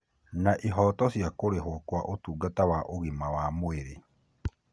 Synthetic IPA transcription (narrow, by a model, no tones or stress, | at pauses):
naʔiɦɔtɔsjakoɾeɦokwaʔotuːɡatawaʔoɣimawamoeɾe